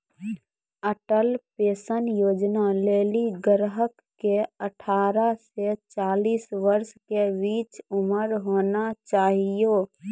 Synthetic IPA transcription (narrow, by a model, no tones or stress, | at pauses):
əʈəlpeːsənjoːd͡ʒnaleːliɡəɾɦəkːeəʈʰaːɾaset͡ʃaːliːsʋəɾskebiːt͡ʃʊməɾɦoːnat͡ʃaːɦijoː